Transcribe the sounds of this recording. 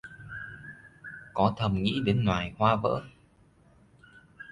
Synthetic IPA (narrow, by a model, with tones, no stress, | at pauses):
kɔ˨˦t̪ʰə˨˩mŋḭ˧˥ɗe˨˦nŋwaː˨˩jhwaː˧və̰ː˧˥